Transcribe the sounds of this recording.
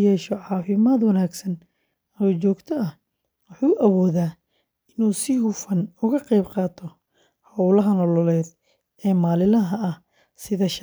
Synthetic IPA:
jɛːʃɔʕɑːfɪmaːd̪wɐnaːɡsɐn | ɐɔːt͡ʃɔːɡt̪ʰɔɐh | wʊħuːʔɐwɔːðaː | ɪnuːsɪhʊfɐnʊɣɐqɛjbqɑːt̪ʰɔ | hɐwlɐɦɐnɔlɔlɛːd̪ | ɛːmaːlɪlɐɦɐɐh | sɪðɐʃ

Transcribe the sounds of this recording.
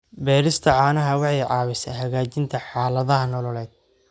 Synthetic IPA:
bɛːɾɪst̪ʰɐʕɑːnɐɦɐwɑħɑjʕɑːwɪsɛɦɐɣaːt͡ʃɪnt̪ʰɐħɑːlɐðɐɦɐnɔlɔlɛːd̪̥̚

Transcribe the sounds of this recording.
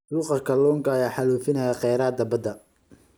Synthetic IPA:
lʊqɑkʰɐlɔːŋkʰɐɐjaːħɑluːfɪnɐjaqɛjɾaːd̪ɐbɐd̪ɐ

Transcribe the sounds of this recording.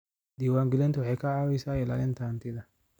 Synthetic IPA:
d̪iwaŋɡɪlɛnt̪wɔhɛkaawɪsajɛla̰ɛnt̪ant̪id̪a

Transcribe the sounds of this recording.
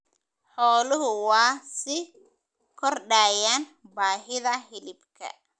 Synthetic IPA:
ħɔːlʊɦʊwɑːsɪ | kʰɔrɖaːjaːnbaːɦɪðɐhɪlɪbkʰɐ̰

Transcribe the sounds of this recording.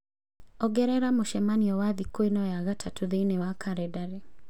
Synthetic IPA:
ɔɡɛɾɛɾamoʃɛmaniɔwaðikoinɔjaɣatʰatoðeinewakʰaɾɛdaɾe

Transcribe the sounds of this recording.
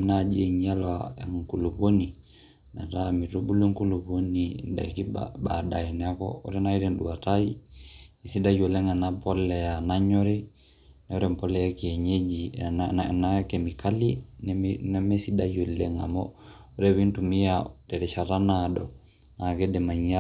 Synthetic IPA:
mnad͡ʒeɲalwaeŋŋkuluβoni | naɾamiɾubuluŋkuluβonida̰ikḭbadainakɔ̰ɔ̰ɾɛnaiɾɛnɗuwatai | isidajolɛŋanapɔlɛjanaɲɔɾɛ | nɛɔɾɛmpɔlɛjakieɲed͡ʒi | nakemikalinnɛmɛsidajɔlɛŋa̰mɔɔɾɛβintumijatɛɾɛʃaɾanadɔ̰ | nakɛdɛmaɲa

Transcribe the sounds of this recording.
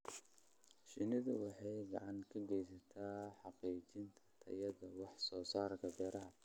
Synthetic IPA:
ʃɪnɪðʊwɑħɑjɡɑ̰ʕɑŋkʰɐɡɛjsɐt̪ʰaːħɑqiːt͡ʃɪnt̪ʰɐt̪ʰɐ̰jɐðɐwɑħsɔːsaːɾkʰɐbɛːɾɐɦɐ

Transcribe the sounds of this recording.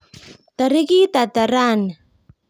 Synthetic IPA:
t̪aɾikit̪at̪aɾan

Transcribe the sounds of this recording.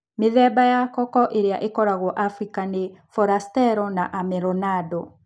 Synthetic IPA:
meðɛbajakɔkɔʔeɾeaʔekɔɾaɣwɔʔafɾikanefɔɾastɛɾɔnaʔamɛɾɔnadɔ

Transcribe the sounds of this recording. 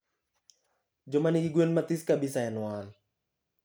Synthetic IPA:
d͡ʒomaniiɡwenmat̪iskabisajanuwaːl

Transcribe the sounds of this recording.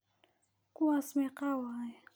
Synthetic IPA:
kuasmeqawaj

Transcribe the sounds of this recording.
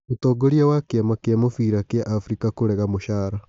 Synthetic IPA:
otɔːɡoɾiawakeamakeamofiɾakeaʔafɾikakoɾɛɣamoʃaːɾa

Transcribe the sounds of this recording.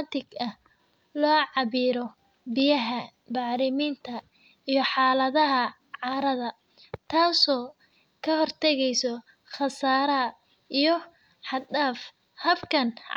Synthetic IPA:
t̪ɪɡɐh | lɔːʕɑβiːɾɔ | bɪjɐɦɐ | bɑʕɾɪmiːnt̪ʰɐ | ijɞħɑːlɐðɐɦɐ | ʕɑːɾɐðɐ | t̪ʰaːsɔː | kʰɐhɔrt̪ʰɛɣɛjsɔ | χɑsaːɾɐɐ | ijɞ | ħɑd̪aːf | hɐbkʰɐn

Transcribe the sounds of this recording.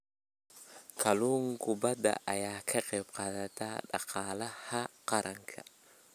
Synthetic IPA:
kʰɐluːŋkʰʊbɐd̪ɐ̰ʔɐjaːkʰɐqɛjbqɑːðɐt̪ʰaːɖɑ̰qɑːlɐhɐqɑɾʔɐŋkʰɐ

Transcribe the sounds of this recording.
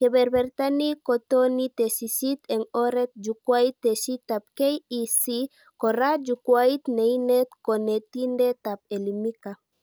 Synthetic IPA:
kebeɾbɛɾt̪anikot̪onit̪esisit̪ɛŋoɾet̪̚d͡ʒukwajt̪ːesit̪ap̚kejisi | koɾad͡ʒukwajt̪nejnet̪konet̪indet̪ap̚elimika

